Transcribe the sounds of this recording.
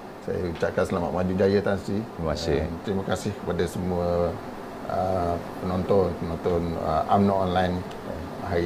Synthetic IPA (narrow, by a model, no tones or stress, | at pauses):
sa̰ja̰it͡ʃaʔkansəlama̰t̪mad͡ʒud͡ʒajət̪ansimasɪmt̪ɾimakasɪhkəpadasəmuə | əpənɔnt̪ɔnpənɔnt̪ɔnə̰ʔamnɔʔɔnlajn | ɦa